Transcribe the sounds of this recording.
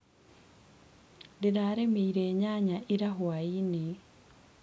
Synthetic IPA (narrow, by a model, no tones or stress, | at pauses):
dinaːɾemeiɾeːɲaɲaʔiɾaɦwaini